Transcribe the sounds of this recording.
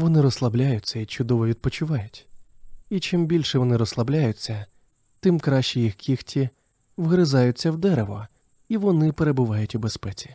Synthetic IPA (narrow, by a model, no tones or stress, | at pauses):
ʋɔnɪɾɔslˠɐblʲajʊt͡sʲːɐit͡ʃʊd̪ɔʋɔʋʲid̪̚pɔt͡ʃʊʋɑjʊtʲ | it͡ʃɪmbʲilʲʃɛʋɔnɪɾɔslˠɐblʲajʊt͡sʲːɐ | t̪ɪmkɾɑʃt͡ʃijixkʲixtʲi | ʋɣɾɪzɑjʊt͡sʲːɐwd̪ɛɾeʋɔ | iʋɔnɪpeɾebʊʋɑjʊtʲʊbespɛt͡sʲi̥